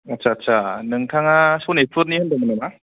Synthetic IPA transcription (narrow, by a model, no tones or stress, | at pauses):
atsʰaːtsʰanɯŋtʰaŋasonepʰɯɾnihɯndamɯnɯma